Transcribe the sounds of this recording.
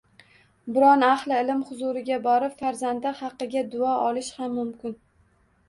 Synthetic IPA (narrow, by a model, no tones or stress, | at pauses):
bɪɾɒnaχlˠɪɪlɪmχʊzʊɾɪɡʲabɒɾɪpfaɾzand̪ɪhɑqːɨɡʲad̪ʊɒʔɒlˠɪʃhamːʊmkʲɪn